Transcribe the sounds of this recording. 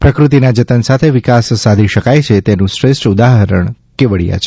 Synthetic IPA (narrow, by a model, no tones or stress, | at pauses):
pɾəkɾut̪̬inad͡ʒət̪ənsat̪ʰeʋikasːad̪ʱiʃəkajt͡ʃʰet̪enũsɾesʈud̪aɦəɾəɳ̃ | keʋəɽija̰t͡ʃʰe